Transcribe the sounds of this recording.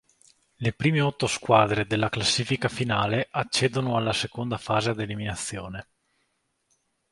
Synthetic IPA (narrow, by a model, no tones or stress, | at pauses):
lepɾiːmeɔt̪ːoskwaːd̪ɾed̪elːaklasːiːfikafinaːleʔat͡ʃːɛːd̪onoalːasekond̪afaːzead̪eliminat̪sːjoːne